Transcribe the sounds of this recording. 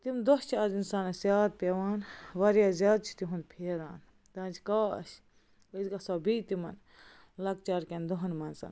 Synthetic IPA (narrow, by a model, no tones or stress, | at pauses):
t̪imd̪oht͡ʃʰɐzinsaːnɐsjaːd̪̚pʲeʋaːnʋɐɾjazʲjaːd̪̚t͡ʃʰi̥t̪iɦund̪pʰeːɾa̰ːn | t̪ãːnd͡ʒka̰ːʃ | ɐizɡɐsaːbiːt̪imɐn | lɐɡt͡ʃaːɾkʲend̪oɦɐnmɐnsɐ̰n